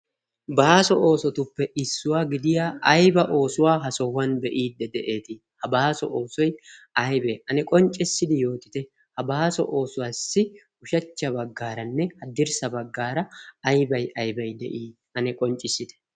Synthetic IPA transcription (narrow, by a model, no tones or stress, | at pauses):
baːsɔʔo̞ːsɔt̪ʊpːɛʔɪsːʊwaːɡɪd̪ɪjaːʔɐjbɐʔo̞ːsʊwaːɦɐsɔwːɐnbɛʔiːd̪ːɛd̪ɛʔeːt̪ɪ | hɐbaːsɔ̰ʔo̞ːsɔjɐjbeʔɐnɛkʼɔnt͡ʃʼːɪsːɪd̪ɪjo̞ːt̪ɪ̥t̪ɛ | hɐbaːsɔ̰ʔo̞ːsʊwaːsːɪ | ʊʃɐt͡ʃːɐbɐɡːaːɾɐnːɛhɐd̪ɪɾsɐbɐɡːaːɾɐːjbɐjɐjbɐjd̪ɛ̰ʔiː | ʔɐnɛkʼɔnt͡ʃʼːɪsɪd̪ɛ̥